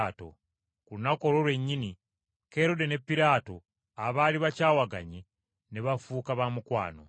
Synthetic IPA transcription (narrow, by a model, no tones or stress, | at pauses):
to̰ | kunako̞ɾo̞lwe̞ɲːini | ke̞ɾo̞de̞ne̞pːiɾaːto | aβaliβacaːwaɡa̰ɲi | neβafuːkaβamukwa̰ːno̞̰